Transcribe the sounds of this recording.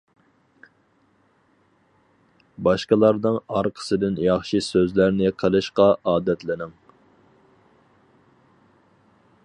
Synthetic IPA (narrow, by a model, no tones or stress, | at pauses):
bɑʃqəlˠɑɾd̪ɨŋɑɾqʰə̥sɨd̪ɪnjɑχʃisøzlæɾnɪqʰəlˠɨʃqɑʔɑːd̪ɛt̪lɪnɪŋ